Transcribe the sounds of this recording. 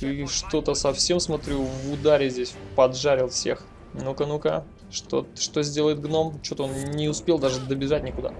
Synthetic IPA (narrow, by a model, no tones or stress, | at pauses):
iʂt̪o̞t̪əsɐfsʲe̞msmɐt̪ɾʲuvʊd̪aɾʲɪzʲdʲesʲpɐdʐaɾʲɪlˠfsʲe̞̰x | nukənuka̰ | ʂt̪o̰ʂt̪ozʲdʲe̞lˠəjɪt̪̚ɡno̞mt͡ɕot̪əonnʲɪʊspʲelˠd̪aʐɨd̪əbʲɪʐat̚ʲnʲɪkʊd̪a̰